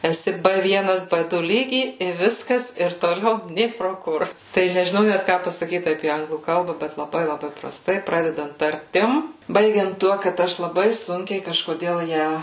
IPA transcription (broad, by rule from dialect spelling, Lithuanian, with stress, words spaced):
ɛˈsʲɪ ˈbɘ ˈʋʲiɛnɐs ˈbɘ ˈdʊ ˈlʲiːɡʲiː ɪ ˈʋʲɪskɐs ɪr toːˈlʲɛʊ ˈnʲeː proː ˈkʊr tɐɪ nʲɛʒʲɪˈnɐʊ ˈnʲæt ˈkɑː pɐsɐˈkʲiːt ɐpʲiɛ ˈɐŋɡlˠuː ˈkɐlˠbɐ ˈbʲɛt lˠɐˈbɐɪ lˠɐˈbɐɪ prɐˈstɐɪ ˈprɑːdʲɛdɐnt tɐrʲˈtʲɪm ˈbɐɪɡʲɛnt ˈtuɔ kɐt ˈɐʃ lˠɐˈbɐɪ ˈsʊŋʲkʲɛɪ kɐʃkoːˈdʲeːlˠ ˈjæː